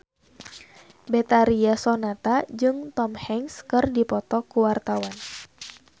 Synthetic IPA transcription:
bɛt̪aɾiasɔnat̪ad͡ʒɨŋt̪ɔmhɛŋskɨrdipɔt̪ɔkuwart̪awan

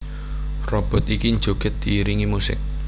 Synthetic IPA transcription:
rɔb̥ɔ̤t̪ikind͡ʒoɡ̥ət̪̚d̪̥iːɾiŋimusɪ̰k̚

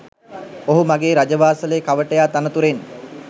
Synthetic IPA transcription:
oɦumaɡeːɾad͡ʒəʋaːsələjəkaʋəʈəjaːt̪anət̪uɾen

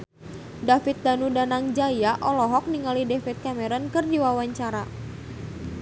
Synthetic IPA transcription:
dafit̪̚danudanaŋd͡ʒajaʔɔlɔɦɔk̚niŋalidɛfit̪̚kamɛɾɔnkɨrdiwawaɲt͡ʃaɾa

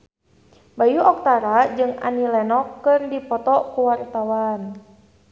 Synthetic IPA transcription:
bajuɔk̚t̪aɾad͡ʒɨŋa̰nilɛnɔkːɨrdipɔt̪ɔkuwart̪awan

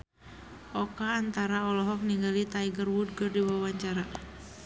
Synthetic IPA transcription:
ʔɔkaːnt̪aɾaɔlɔɦɔk̚niŋɡalit̪aiɡərwud̚ɡərdiwawaɲt͡ʃaɾa

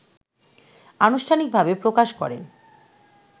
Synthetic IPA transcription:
anuʃʈʰanik̚bʱabepɾokaʃkɔ̰ɾḛ

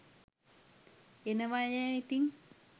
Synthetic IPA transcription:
enəʋajɛit̪iŋ

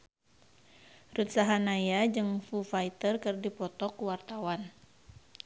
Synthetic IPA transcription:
rut̪saɦanajad͡ʒɨŋfufait̪ərkɨrdipɔt̪ɔkuwart̪awan

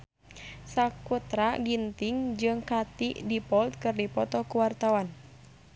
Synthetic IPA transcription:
sakut̪ɾaɡint̪iŋd͡ʒɨŋkat̪ḭʔdipɔlt̪̚kɨrdipɔt̪ɔkuwart̪awan

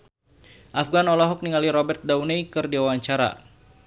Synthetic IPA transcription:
ʔafɡanɔlɔɦɔk̚niŋaliɾɔbɛrt̪̚daunejkɨrdiwawaɲt͡ʃaɾa̰

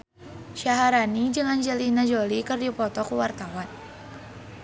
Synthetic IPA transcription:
ʃaɦaɾanid͡ʒəŋand͡ʒəlinad͡ʒolikɨrdipɔt̪ɔkuwart̪awan

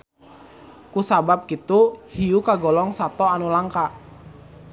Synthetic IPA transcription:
kusabap̚kit̪uhiukaɡɔlɔŋsat̪ɔanulaŋka

